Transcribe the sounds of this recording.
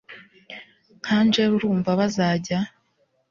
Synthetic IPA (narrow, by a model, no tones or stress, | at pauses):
kʰaːnd͡ʒeβuɾuːɱvaβazaːɟa